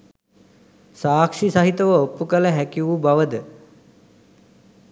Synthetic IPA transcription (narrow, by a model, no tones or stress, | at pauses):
saːkʂisaɦit̪əʋəopːukələɦækiʋubaʋəd̪ə